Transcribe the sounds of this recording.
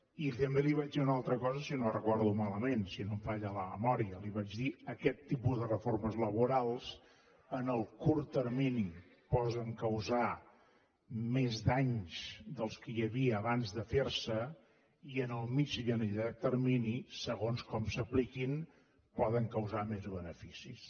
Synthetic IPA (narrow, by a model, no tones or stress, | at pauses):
it̪əmbeliβad͡ʒðiunalˠt̪ɾəkɔzəsinorəkɔɾðumaləmensinomfaʎələməmɔɾiəliβad͡ʒðiəkɛt̪ːipuzðərəforməzləβuɾalˠs | ənəlˠkuɾt̪əɾmini | pɔzəŋkəwza | mezd̪aɲsd̪əlˠskəjəβiəːβanzðəfersə | iənəlˠmid͡ʒʎənəʎat̪əɾminisəɣonskɔmsəplikin | pɔðəŋkəwzamezβənəfisis